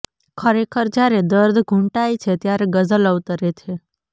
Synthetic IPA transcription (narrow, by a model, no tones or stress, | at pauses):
kʰəɾekʰəɾd͡ʒaɾed̪əɾd̪ʱɡʱũɳʈait͡ʃʰet̪jaɾeɡəzələʋt̪əɾet͡ʃʰe